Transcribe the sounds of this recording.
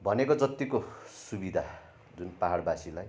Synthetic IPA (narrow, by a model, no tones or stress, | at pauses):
bʱʌnekod͡zʌt̪ːikosubid̪ʱa | d͡zunpaɦaɽbasilaj